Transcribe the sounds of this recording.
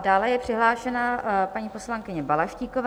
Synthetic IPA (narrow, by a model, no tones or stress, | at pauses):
daːlɛjɛpr̥ɪɦlaːʃɛnapaɲiːpo̞slaŋkɪɲɛbalaʃciːkova